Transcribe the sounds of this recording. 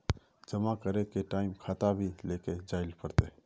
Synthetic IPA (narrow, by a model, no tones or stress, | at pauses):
d͡ʒəmakəɾekeʈaːɪmkʰaːt̪abʱileːked͡ʒaːɪlpəɾt̪e